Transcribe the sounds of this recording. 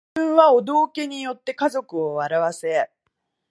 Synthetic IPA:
ɯ̟̃ɰ̃βaod̪o̞ːke̞ɲ̟ijo̞t̪ːe̞kazo̞kɯ̟o̞βaɾaβase̞

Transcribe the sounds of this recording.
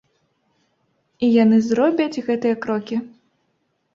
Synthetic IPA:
ijanɨzɾɔbʲɐt͡sʲɣɛt̪ɨjɐkɾɔkʲi

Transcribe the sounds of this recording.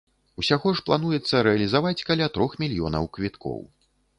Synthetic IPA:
usʲaɣɔʂplˠan̪ujɛt̪sːɐɾɛɐlʲizavat͡sʲkalʲat̪ɾɔxmʲilʲjɔ̰nɐ̰wkvʲit̪kɔ̰w

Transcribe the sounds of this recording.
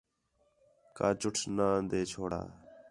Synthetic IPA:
kaːt͡ʃʊʈʰnaːnd̪eːt͡ʃʰoːɽa̰ː

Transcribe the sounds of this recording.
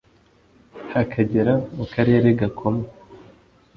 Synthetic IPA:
hakʰaɟeɾamukaɾe̞ːɾeɡakʰome

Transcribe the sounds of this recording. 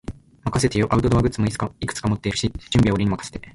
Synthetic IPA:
makase̞t̪e̞joʔaɯ̟t̪od̪oβaɡɯ̟t͡sɨmo̞it͡sɨ̥kaikɯ̥t͡sɨ̥kamo̞t̪ːe̞iɾɯ̟ɕid͡ʑɨ̃mbʲiaoɾiɲ̟imakḁse̥t̪e

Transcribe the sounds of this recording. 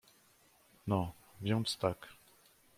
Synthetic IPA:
nɔ̃ | vjɔ̃st̪ak

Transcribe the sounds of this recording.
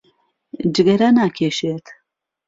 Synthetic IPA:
d͡ʒɨɡɐɾanakʰeʃet̪ʰ

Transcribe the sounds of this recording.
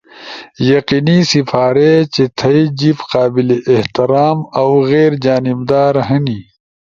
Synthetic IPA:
jɐqinisifʰaːɾet͡ɕet̪ʰɐid͡ʑifqaːbileʔːht̪iɾaːmɐwɣeːɾd͡ʑaːnibd̪aːɾɦɐni

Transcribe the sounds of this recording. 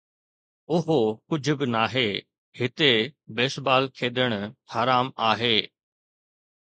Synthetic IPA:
ʊɦokʊd͡ʑʱʊ̆bɪnaːɦeː | hɪt̪ebeːʃbaːlkʰeːɗ̪əɽ̃haːɾaːmaːɦeː

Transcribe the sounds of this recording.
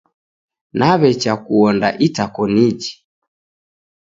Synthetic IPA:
naβɛt͡ʃakuɔnda̰ʔitakɔnid͡ʒi

